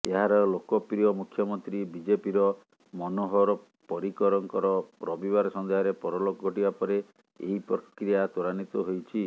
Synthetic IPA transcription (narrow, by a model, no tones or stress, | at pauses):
eɦaɾɔlokɔpɾijɔmukʰjɔmɔnt̪ɾibid͡ʒepiɾɔ | mɔnoɦɔɾɔ | pɔɾikɔɾɔŋkɔɾɔpɾɔbibaɾɔsɔnd̪eɦɔɾepɔɾɔlokɔɡʱɔʈibapɔɾe | eɦipɾɔkɾijat̪uɾanit̪ɔɦojt͡ʃʰi